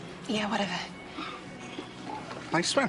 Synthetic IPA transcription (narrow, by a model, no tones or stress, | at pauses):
jæwʌɾɛvə˞ | b̥aɪswɛ̃